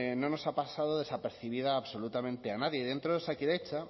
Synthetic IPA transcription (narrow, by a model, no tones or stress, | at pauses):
no̞no̞sapasað̞oðe̞sape̞ɾθiβ̞iðaːβso̞lut̪amẽ̞nt̪e̞anaðjeð̞e̞nt̪ɾoðesakiɾe̞t͡ʃa